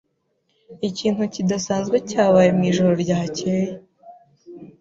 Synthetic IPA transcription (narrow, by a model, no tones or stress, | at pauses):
iciːn̥hucidasaːnzɡwecaːβaːjemŋiːʒoɾo̞ɾɟahaceːje